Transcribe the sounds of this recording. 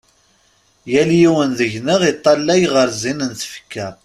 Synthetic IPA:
jæljiwənðəʝnəʁit̪ˤːɑlːæjʁəɾzinənθfə̥kːæ

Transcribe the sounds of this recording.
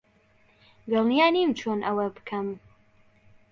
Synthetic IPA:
ɡɛlˠnijaːnimt͡ʃʰoːnʔɐwɐbɨ̥kʰɐm

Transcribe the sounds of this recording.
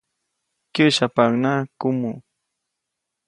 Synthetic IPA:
kʊʃapaŋnakʊmu

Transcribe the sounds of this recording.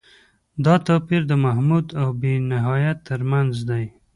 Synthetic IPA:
d̪ɑt̪ɑpiɾd̪əmaɦmud̪awbenɪɦɑjat̪ːəɾmanzd̪aj

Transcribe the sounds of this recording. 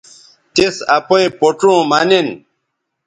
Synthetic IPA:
tesapɔjpotũmanen

